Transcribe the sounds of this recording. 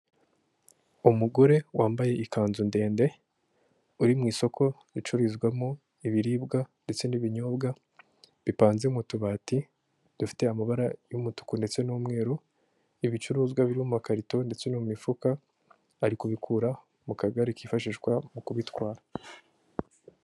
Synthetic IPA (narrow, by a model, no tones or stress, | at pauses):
umuɡo̞ɾe̞waːmbaje̞ʔikʰaːnzunde̞ːnde̞ | uɾimŋiːso̞kʰo̞ | ɾit͡ʃuɾizɡwamo | iβiɾiːbɡande̞t͡se̞niβiɲobɡa | βipaːnzemutuβaːti | d̥ufi̥te̞amaβaɾajumutu̥kunde̞t͡se̞nuːmŋe̞ːɾo | iβit͡ʃuɾuːzɡwaβiɾumumakaɾito̞nde̞t͡se̞nummifukaː | ɾikuβikʰuɾa | mukaɡaɾekiːfaʃiːʒɡwamukuβitwaːɾa